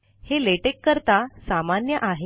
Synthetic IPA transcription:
heleʈekːəɾt̪asamanjəʔaɦe

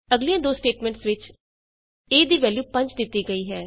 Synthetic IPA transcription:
əɡliːãːd̪oːsʈeːʈmɛ̃ːɳʈsʋɪt͡ʃ | eːd̪iːʋɛːljuːpə̃ɲt͡ʃd̪ɪt̪ːiːɡəiːɦɛː

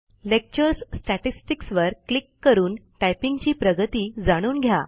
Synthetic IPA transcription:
lek̚t͡ɕəɾssʈaʈisʈiksʋəɾklikːəɾuːnʈajpiŋɡt͡ɕiːpɾəɡət̪iːd͡zaɽ̃uːnɡʱja

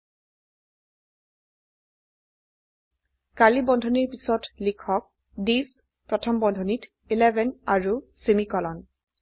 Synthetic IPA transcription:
kalibɔndʱɔniɹpisɔtlikʰɔk̚ | dis | pɹɔtʰɔmbɔndʱɔnit | ilɛbɛnaɹusemikɔlɔn

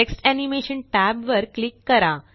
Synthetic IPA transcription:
eksʈænimeɕənʈæbʋəɾklikːəɾa

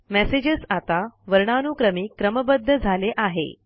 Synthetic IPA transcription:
mɛsed͡ʑəsat̪aʋəɾɳanukɾəmiːkɾəməbəd̪ʱːəd͡zʱaleʔaɦḛ

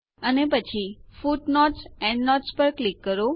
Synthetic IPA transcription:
ənepət͡ʃʰifuʈnɔʈsɛ̃ɳɖnɔʈspəɾklikːəɾo

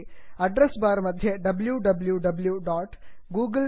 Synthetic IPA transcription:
ɐɖɾesbaːɾɐmɐd̪ʱjɐɖɐbljuɖɐbljuɖɐbljuɖaːʈɡuːɡə

